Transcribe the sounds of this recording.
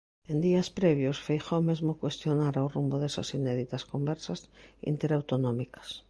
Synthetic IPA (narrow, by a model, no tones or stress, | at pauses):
end̪iaspɾeβ̞josfejxomezmokwest̪jonaɾawrumboðesa̰sineðit̪askombeɾsasḭnt̪eɾawt̪onõmikḁs